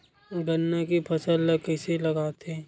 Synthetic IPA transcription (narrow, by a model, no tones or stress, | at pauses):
ɡɐnːakipʰɐsəlːkəɪselɐɡaːt̪eː